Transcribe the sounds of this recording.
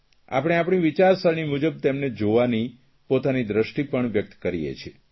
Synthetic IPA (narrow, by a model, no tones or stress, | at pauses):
a̰pɽ̃eapɽ̃iʋit͡ʃaɾsəɳimud͡ʒəb̚t̪emned͡ʒoʋani | pot̪anid̪ɾəʃʈipəɳʋjək̚t̪kəɾijḛt͡ʃʰie